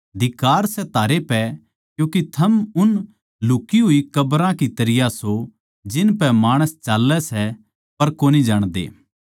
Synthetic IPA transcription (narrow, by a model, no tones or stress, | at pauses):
d̪ɪkaːɾsɛt̪aːɾepɛ | kjũːkit̪ʰɐmʊn | lʊkiɦʊikɐbɾãkit̪ɐɾɪjaso | d͡ʒɪnpɛmaːɽ̃əst͡ʃaːlːɛsɛ | pɐɾkoːnid͡ʒaːɽ̃d̪ḛː